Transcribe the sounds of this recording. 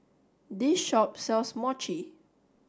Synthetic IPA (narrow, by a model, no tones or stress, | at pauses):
disʃɔp̚sɛlsmɔt͡ʃi